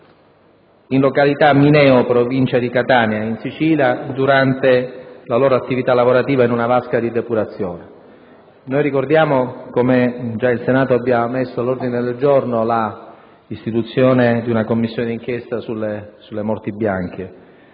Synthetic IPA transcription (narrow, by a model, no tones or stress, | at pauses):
inlokalit̪aminɛːopɾovint͡ʃad̪ikat̪aːnjainsit͡ʃiljad̪uɾant̪elaloːɾoat̪ːivit̪alːavoɾat̪iːvainunavaskad̪id̪epuɾat̪sːjoːne | nojɾikord̪jaːmokomed͡ʒailsenaːt̪oabːjamesːoalːord̪ined̪eld͡ʒornola | ist̪it̪ut̪sːjoːned̪iunakomːisːjoːned̪iŋk̟jɛst̪asulːesulːemɔrt̪ibjaŋk̟e